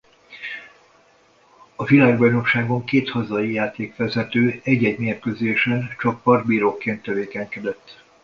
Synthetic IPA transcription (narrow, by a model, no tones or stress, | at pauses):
ɒvilaːɡbɒjno̞kʃaːɡo̞ŋkeːt̪hɒzɒijaːt̪eːkʋɛzɛt̪øːɛɟɛɟmeːrkøzeːʃɛnt͡ʃɒkpɒrd̪̚biːɾoːkeːnt̪ːɛveːkɛɲkɛd̪ɛt̪ː